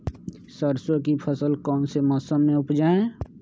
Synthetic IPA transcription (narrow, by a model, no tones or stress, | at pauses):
səɾsokipʰəsəlkɔːnsemɔːsəmːẽʊpd͡ʒaːẽ